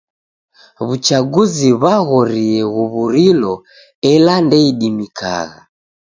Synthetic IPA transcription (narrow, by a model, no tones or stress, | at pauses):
βut͡ʃaɡuziβaɣɔɾiɛɣuβuɾilɔ | ɛlandɛiɗimikʰa̰ɣa